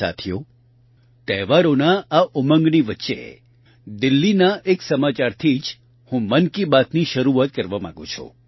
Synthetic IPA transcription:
a̰t̪ʰjo | t̪ɛʋaɾonaaʔumə̃ŋɡniʋətːʃeḛ | d̪ɪlːinaʔeksəmat͡ʃaɾt̪ʰid͡ʒ | hũmənkibat̪niʃəɾuat̪̚kəɾʋamã̰ɡõt͡ʃʰṵ

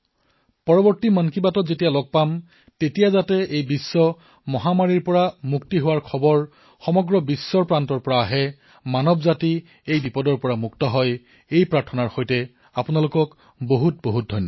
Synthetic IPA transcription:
pɔɹɔbɔɹtimankibatɔzetijalɔɡ̚pam | tetijazatɛejbisːɔ | mɔɦamaɹiɹpɔɹamuktiɦʊwaɹkʰɔbɔɹ | xɔmɔɡɹɔbisːɔɹpɹantɔɹpɔɹaːɦɛ | manɔbzati | ejbipɔdɔɹpɔɹamuk̚tɔɦɔj | ejpɹaɹtʰɔnaɹxɔjtɛ | apunalʊkɔk | boɦut̚boɦut̚dʱɔjnːɔ

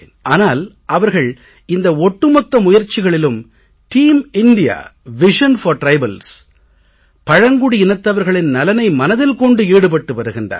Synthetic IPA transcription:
nʔaːnaːl | ʔɐʋɐɾɣɐɭ | ɪnd̪ɐɔʈːɯmɐk̪ːɐmʊjɐɾt͡ʃːɪɣɐɭɪlɯm | ʈiːmɪɳɖɪja̰ːʋɪʂɐnfɐɾʈɾɐɪbɐls | pɐɻɐŋɡʊɽiɪnɐt̪ːɐʋɐɾɣɐɭɪnnɐlɐnɐɪmɐnɐðɪlkɔɳɖɯeːɽɯp̬ɐʈːɯʋɐɾɯɣɪndra̰ː

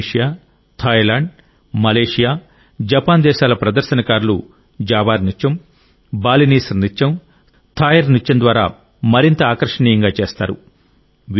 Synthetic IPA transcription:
ʂijaː | t̪ʰɐjlaːɳɖ | mɐleːʂijaː | d͡ʒɐpaːnd̪ɛːʃaːlɐpɾɐd̪ɐɾʃɐnɐkaːɾulṵ | d͡ʒaːbaːɾnit͡ʃːɐm | baːliniːsɾnit͡ʃːɐm | t̪ʰaːjɐɾnit͡ʃːɐnd̪ʋaːɾa̰ː | mɐɾint̪ɐaːkɐɾʂɐniːjɐŋɡaːt͡ʃeːst̪a̰ːɾṵ | ʋ

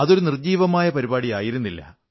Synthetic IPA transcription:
ɐðo̞ɾunird͡ʑiːʋɐmaːjɐpɐɾibaːɽijaːjiɾunːilːɐ̰

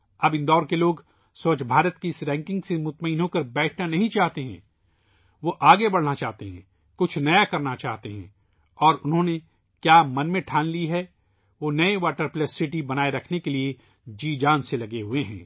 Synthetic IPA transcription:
ɐbɪ̃nd̪ɔːɾkeloːɡ | soːt͡ʃbʱaːɾət̪kiɪsɾɛ̃ːŋkɪ̃ŋɡsemʊt̪məɪnɦokɐɾbɛːʈʰnanɐɦĩt͡ʃaːɦt̪eɦɛ̰̃ː | ʋoʔaːɡebɐɽ̤nat͡ʃaːɦt̪eɦɛ̰̃ | kʊt͡ʃʰnɐjakɐɾnat͡ʃa̰ːɦt̪eɦɛ̰̃ː | ɔːɾʊnɦõne | kjaːmɐnmẽʈʰaːnliɦɛ | ʋonɐeʋaːʈəɾpləsːɪʈibɐnaːeɾɐkʰnekelie | d͡ʒiːd͡ʒaːnselɐɡeɦʊeɦɛ̰̃ː

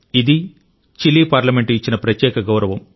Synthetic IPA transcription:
id̪i | t͡ʃilːiːpaːɾlɐmeɳʈuit͡ʃːinɐpɾɐt̪jɛːkɐɡɐwɾɐʋɐm

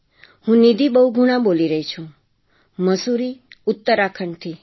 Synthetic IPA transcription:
hũnid̪ibəuɡʱuɽ̃ãboliɾəɦit͡ʃʰũ | məsuɾiut̪ːəɾakʰəɳt̪ʰi

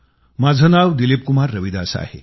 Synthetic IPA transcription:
mad͡zʱənaʋd̪ilip̚kumaɾːəʋid̪asa̰ɦḛ

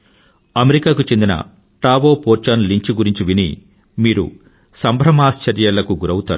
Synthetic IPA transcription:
ɐmeɾikaːkut͡ʃe̞nd̪inɐ̰ | ʈaːʋoːpoːɾt͡ʃanliɲt͡ʃiɡuɾiɲt͡ʃiʋinḭ | miːɾṵ | sɐmbʱɾɐmaːst͡ʃɐɾjɐlɐkuɡuɾɐwut̪aːɾu

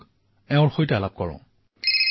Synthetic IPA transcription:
ɛʊ̃ɹxojtaalap̚kɔɹɔ̰̃

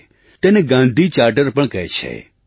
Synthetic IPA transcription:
t̪eneɡãːnd̪ʱit͡ʃaːɾʈəɾpəɳkɐɦet͡ʃʰḛ

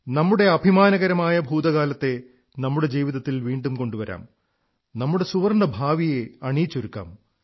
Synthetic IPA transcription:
nɐmːuɽe̞ɐbʱimaːnɐɣɐɾɐmaːjɐbʱuːd̪ɐɣaːlɐt̪ːe̞ | nɐmːuɽe̞d͡ʑiːʋiðɐt̪ːilʋiːɳɖumko̞ɳɖuʋɐɾa̰ːm | nɐmːuɽe̞suʋɐrɳɐbʱaːʋijeɐɳiːt͡ɕːoɾukːa̰ːm

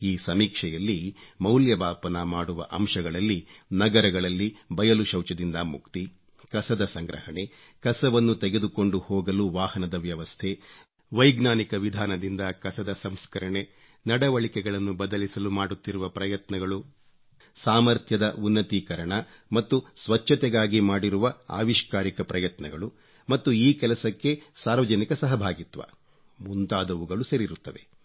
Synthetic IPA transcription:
iːsɐmiːkʂɛjɐlːimɐwljɐbaːpɐnɐmaːɽuʋɐ̰ʔɐmʂɐɡɐɭɐlːinɐɡɐɾɐɡɐɭɐlːibɐjɐluʃɐwt͡ʃɐd̪ind̪ɐmukt̪i | kɐsɐd̪ɐsɐŋɡɾɐ̰hɐɳe̞ | kɐsɐʋɐnːut̪eɡe̞d̪uko̞ɳɖuhɔːɡɐluʋaːhɐnɐd̪ɐʋjɐʋɐst̪ʰe̞ | ʋɐjɡnaːnikɐʋid̪ʱaːnɐd̪ind̪ɐkɐsɐd̪ɐsɐmskɐɾɐɳe̞ | nɐɽɐʋɐɭikɛɡɐɭɐnːubɐd̪ɐlisɐlumaːɽut̪ːiɾuʋɐpɾɐjɐt̪nɐɡɐɭu | saːmɐɾt̪ʰjɐd̪ɐunːɐt̪ikɐɾɐɳɐ | mɐt̪ːusʋɐt͡ʃːɐt̪ɛɡaːɡimaːɽiɾuʋɐa̰ːʋiʃkaːɾikɐpɾɐjɐt̪nɐɡɐɭu | mɐt̪ːuiːkɛlɐsɐkːe̞saːɾʋɐd͡ʒɐnikɐsɐɦɐbʱaːɡit̪ʋɐ̰ | munt̪aːd̪ɐʋuɡɐɭuseɾiɾut̪ːɐʋe̞

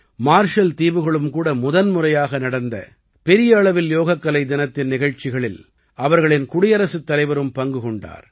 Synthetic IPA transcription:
maːɾʂɐlt̪iːʋɯɣɐɭɯmkuːɽɐmʊðɐnmʊrɐjaːɣɐnɐɽɐnd̪ɐ̰ | pɛɾɪjɐːɭɐʋɪljoːɣɐkːɐlɐɪd̪ɪnɐt̪ːɪnnɪɣɐɻt͡ʃɪɣɐɭɪl | ʔɐʋɐɾɣɐɭɪnkʊɽɪjɐɾɐsɯt̪ːɐlɐɪʋɐɾɯmpɐŋɡɯkɔɳɖa̰ːɾ

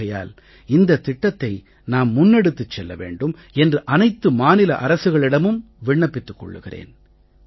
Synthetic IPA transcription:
ɐja̰ːl | ɪnd̪ɐt̪ːɪʈːɐt̪ːɐɪ | naːmːʊnːɛɽɯt̪ːɯt͡ʃːɛlːɐ̰ʋḛːɳɖɯm | ɛndrɯʔɐnɐɪt̪ːɯmaːnɪlɐ̰ʔɐɾɐsɯɣɐɭɪɽɐmɯm | ʋɪɳːɐpːɪt̪ːɯkːɔ̰ɭːɯ̰ɣɪrḛːn

